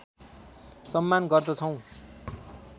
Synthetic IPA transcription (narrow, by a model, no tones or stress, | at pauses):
sʌmːanɡʌrd̪ʌt͡sʰʌw̃